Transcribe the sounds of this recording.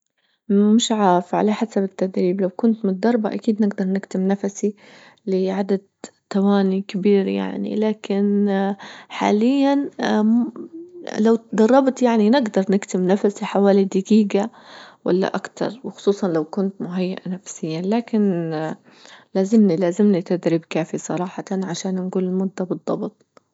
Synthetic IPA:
mɪʃʕaːfʕa̰laħasabɪt̪ːad̪ɾiːblawkʊnt̪mɪnɪd̪ːɑɾˤbaʔakiːd̪nɪɡd̪ɑɾˤnɪkt̪ɪmnafasi | lɪʕad̪ad̪̚ | t̪ːawaːnikɪbiːɾja̰ʕnḭlaːkɪn | ħa̰ːlɪjːan | lawd̪ɑrˤːɑbt̪jaʕninɪɡd̪ɑɾˤnɪkt̪ɪmnafasiħawaːlid̪ɪɡiːɡa | wa̰lːa̰ʔakt̪ʰɑ̰ɾˤwɪxʊ̥sˤuːsˤɑnlawkʊnt̪mʊɦajːa̰ʔanafsɪjːanlaːkɪn | laːzɪmnilaːzɪmnit̪ad̪ɾɪbkaːfisˤɑ̰ɾˤɑːħɑt̪ɑnʕaʃaːnnɡuːlɪlmʊd̪ːabɨd̪ˤːɑbɨt̪ˤ

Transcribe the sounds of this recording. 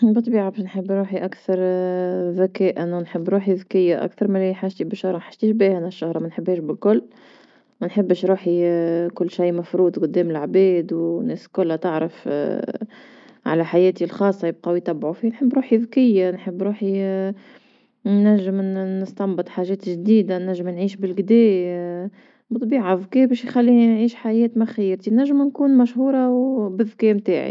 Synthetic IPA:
bɨt̪ˤːbiːʕabɛʃnħəbːɾuːħiʔækθɑɾˤðækɛːʔænnħəbːɾuːħiðkɪjːaʔæ̰kθɑɾˤmælħaʒt̪ibɪʃːʊhɾˤɑmæħḁʒ̥t̪iːʃ̬biːhænæʃːʊhɾˤɑmænħəbːhɛːʃbɪlkʊlː | mænħəbːʃɾuːħikʊlːʃajmæfɾuːd̪ˤqʊd̪ːɛːmɪlʕbɛːd̪wnːɛːskʊlːæt̪aʕɾɑf | ʕa̰læħajɛːt̪ilxɑːsˤːɑjɪb̚qɑwjt̪æbːʕufiːnħəbːɾuːħiðkɪjːanħəbːɾuːħi | næʒːɪmnəst̪ɑmbɨt̪ˤħaːʒɛːt̪ʒd̪iːd̪anæʒːɪmnʕiːʃbɪlɡd̪ɛː | bt̪ˤbiːʕaðkɛːbɛːʃjxælːinʕiːʃħajɛːt̪mæxjɪɾt̪inæʒːəmnkuːnmæʃhuːɾˤɑwbɪðkɛːmt̪a̰ːʕḭ

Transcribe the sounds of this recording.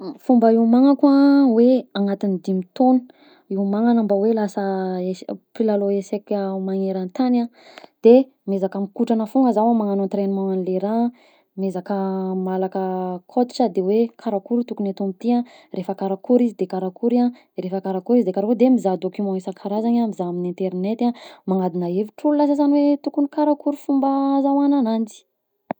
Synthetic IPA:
fumbəiwmaŋakwaweaŋat̪inid̪imit̪onu̥ | iwmaŋanambawelasəepilaloesekamaŋeɾant̪anad̪̥e | mezakamikuʈ͡ʂanəfuŋɡəzawamaŋanont̪ɾenimãŋanleɾa | mezakəmalakəkʰot̪i̥ʈ͡ʂəd̪ewekʰaɾakuɾit̪ukunet̪umit̪ia | refəkaɾakuɾizid̪ekaɾakuɾia | ɾefəkaɾakuɾizid̪ekaɾakud̪emizad̪okymɔ̃isakʰaɾazaɲamizaaminĩnt̪eɾnet̪amaŋad̪inaeviʈ͡ʂululasasanwet̪ukunikaɾakuɾufumbazawananand͡zi̥

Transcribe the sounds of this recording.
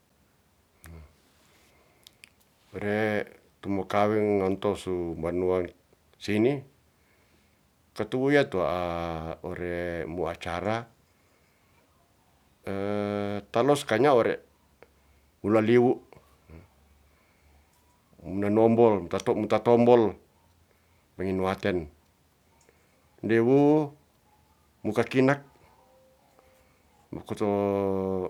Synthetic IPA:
ɔɾe | t̪umɔkawɛŋŋɔnt̪ɔsumbanuaŋ | sini | kat̪uwujat̪uaʔ | ɔɾɛmuat͡ʃaɾa | ət̪alɔskaɲaɔɾɛ̰ | mulaliwu | munanɔmbɔlmut̪at̪ɔmut̪at̪ɔmbɔl | paŋinuat̪ɛn | liwu | mukakinak̚ | mukut̪ɔ

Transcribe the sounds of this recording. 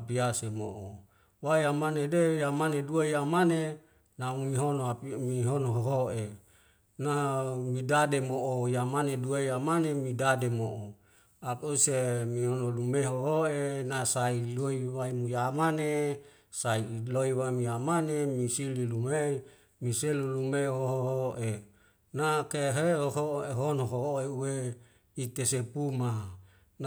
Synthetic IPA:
apiasemo̰ʔo | wajamanedejamaneduajamane | namiɦonoamiɦonoɦoɦoʔe | namidademoʔojamaneduajamanemidademoʔo | akusemiɦonolumeɦoɦoenasailoiwaimujamane | sailoiwaimujamanemisililume | miselulumeɦoɦoɦoʔe | nakeɦehoɦoeɦonoɦooeuwe | it̪esepuma | n

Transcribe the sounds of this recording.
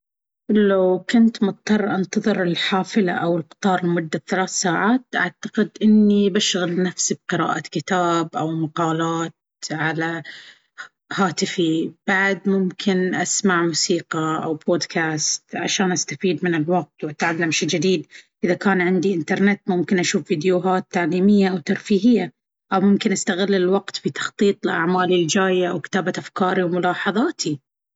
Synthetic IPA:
lawkʊnt̪mʊt̪̚ˤt̪ːɑrˤːʔant̪ɑðˤɨɾɪlħaːfɪla̰ʔawɪlqt̪ˤɑːɾˤɪlmʊd̪ːaθalaːθsaːʕaːt̪̚ʔa̰ʕt̪ḁqɪd̪ʔɪnːibaʃɣalnafsib̚qɪɾa̰ːʔakɪt̪aːbʔawmaqɑːlaːt̪ | ʕala | haːt̪ɪfib̥aʕd̪mʊmkʰɪnʔasmaʕmuːsiːqɑʔa̰wboːd̪kʰaːst̪ʕa̰ʃaːnʔast̪afiːd̪mɪnɪlwaq̚t̪wʔat̪ʕalːamʃid͡ʒad̪iːd̪ʔɪðakaːnʕɪnd̪iʔɪnt̪ɑɾˤnɪt̪ːmʊmkɪnʔaʃuːfviːd̪jʊɦaːt̪ːaʕliːmɪjːaʔawt̪ɑɾˤfiːɦɪjːa | ʔawmʊmkɪnʔast̪aɣɪlːɪlwaɡt̪fit̪ɑ̥xt̪ˤiːt̪ˤɪlʔa̰ʕmaːlɪld͡ʒaːjaʔawkɪ̥t̪aːbaʔafkɑːɾiwmʊlɑːħɑðˤɑːt̪ʰi

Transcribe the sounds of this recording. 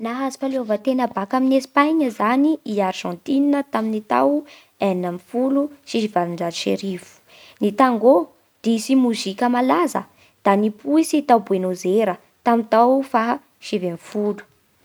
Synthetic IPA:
naɦazi̥faleovət̪enəbakaminesi̥pajɲəzaniiaɾʒɑ̃nt̪ininət̪aminit̪a̰w | annamifuluʃiʃivaliɳɖ͡ʐazʃḛɾivu̥ | nit̪aŋɡo | d̪̥isimuzikʲəmalazə̰ | d̪̥anipuisit̪awbuenozeɾə | t̪amint̪awfa | ʃivemfulu̥

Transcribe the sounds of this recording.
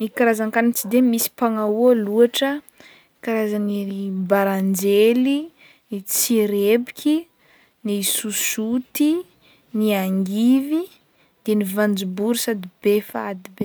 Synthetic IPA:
nikaɾazaŋkanit͡sid̪emisi̥paŋaualuaʈ͡ʂə | kaɾazanibaɾand͡ʒeli | nit͡siɾebikʰʲi | nisusut̪i | niaŋɡivi | d̪̥enivand͡ʒubuɾusad̪ib̥efaad̪ibe

